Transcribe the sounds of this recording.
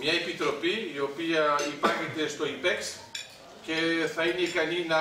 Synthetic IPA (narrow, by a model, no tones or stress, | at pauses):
mɲɐepit̪ɾo̞piːo̞piɐipɐɾçet̪e̞st̪o̞ipeks | ce̞θɐineikɐninɐ